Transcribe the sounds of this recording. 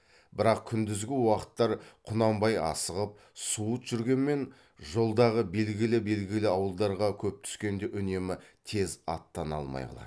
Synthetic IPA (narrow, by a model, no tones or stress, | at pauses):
bɪɾɑqkʲʰʏnd̪ɪzɡʲɪwɑqə̥t̪ːɑɾqʰʊnɑmbɑjɑ̰səʁəp̚ | suət̪ʒ̥ʏɾɡʲe̞nme̞n | ʒo̞lˠd̪ɑʁəbe̞lɡʲɪlɪbe̞lɡʲɪlɪɑwəlˠd̪ɑɾʁɑkʲʰɵp̚t̪ʰʏ̥skʲe̞nd̪e̞ʔʏne̞mɪt̪ʰe̞zɑ̰t̪ːɑnɑ̰lˠmɑ̰jɑ̰lˠɑ̰d̪